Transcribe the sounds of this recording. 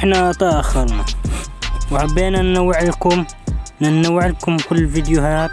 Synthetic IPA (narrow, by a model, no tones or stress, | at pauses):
ħnat̪aʔaxːɑɾˤna | wʕabːeːnannawːɪʕlkʊm | nɪnːawːɪʕlkʊmkʊlːfid̪jʊhaːt̪